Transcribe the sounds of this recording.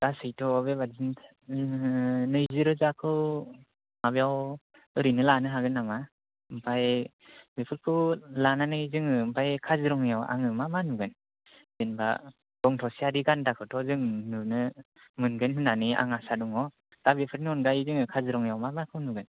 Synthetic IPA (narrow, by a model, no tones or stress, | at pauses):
d̥asɯjtʰɔːbebazinʰ | nɯjzɯɾɯzakʰɯw | mabejaw | ɯɾinɯlanɯɦaɡɯnːama | mpʰaj | bepʰɯɾkʰɯlananɯjzɯŋɯmpʰajkʰazɯɾɔŋjawa̰ŋɯmamanuɡɯn | zenba̰ | d̥ɔŋtʰɔsiadiɡandakʰɯtʰɔzɯŋnunɯ | mɯnɡɯnɦɯnania̰ŋasadɔŋɔ | tabepʰɯɾnɯɔnɡajizɯŋɯkʰazɯɾɔŋjawmamakʰɯwnuɡɯn